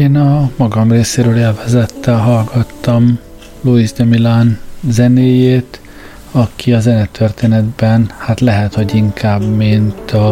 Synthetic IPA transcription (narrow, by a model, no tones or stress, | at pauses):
eːnɒmɒɡɒmreːseːɾøːleːlvɛzɛt̪ːɛlɦɒlɡɒt̪ːɒm | loizd̪ɛmilanzɛneːjeːt̪ | ɒkʰiɒzɛnɛt̪ʰørt̪eːnɛd̪bɛnhat̪lɛɦɛt̪ho̞ɟiŋkʰaːbmint̪ɒ